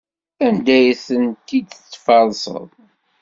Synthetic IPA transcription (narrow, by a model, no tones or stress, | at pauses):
ænd̪æjθənt̪ːid̪t͡sːfɑlˤsə̰ðˤ